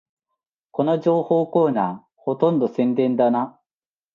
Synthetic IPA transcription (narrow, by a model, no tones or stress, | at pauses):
ko̞noʑo̞ːho̞ːko̞ːnaː | ho̞t̪õ̞nd̪o̞sẽ̞nd̪ẽ̞nd̪ana